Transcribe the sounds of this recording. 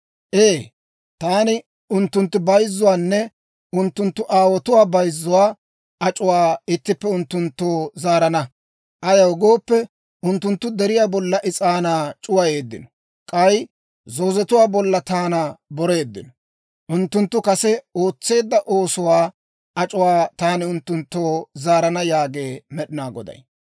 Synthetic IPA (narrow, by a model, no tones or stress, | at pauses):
ʔeː | t̪aːnɪ | ʊnt̪ːʊnt̪ːɪbɐjzːʊwaːnːɛ | ʊnt̪ːʊnt̪ːʊʔaːwɔt̪ʊwaːbɐjzːʊwaː | ɐt͡ʃʼʊwaːɪt̪ːɪpːɛʊnt̪ːʊnt̪ːoːzaːɾɐnɐ | ʔɐjɐwʊɡo̞ːpːɛ | ʊnt̪ːʊnt̪ːʊd̪ɛɾɪjaːbɔlːɐʔɪt͡sʼaːnaːt͡ʃʼʊwɐje̞ːd̪ːɪ̰nɔ̥ | kʼɐj | zo̞ːzɛt̪ʊwaːbɔlːɐt̪aːnɐbɔɾe̞ːd̪ːɪ̰nɔ | ʔʊnt̪ːʊnt̪ːʊkɐsɛo̞ːt͡sːe̞ːd̪ːɐʔo̞ːsʊwaː | ʔɐt͡ʃʼʊwaːt̪aːnɪʊnt̪ːʊnt̪ːoːzaːɾɐnɐjaːɡe̞ːmɛɗɪnaːɡɔ̰d̪ɐ̰j